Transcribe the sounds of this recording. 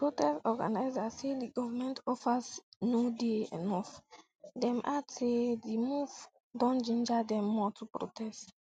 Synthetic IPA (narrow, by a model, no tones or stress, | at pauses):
pɾotɛstɔɡa̰najzaseliɡɔvamɛ̃ntɔfasnudeɛ̰nɔf | dɛ̃mʔatedimuv | dɔ̃nd͡ʒĩnd͡ʒadɛ̃mːɔtʰupɾo̰tɛst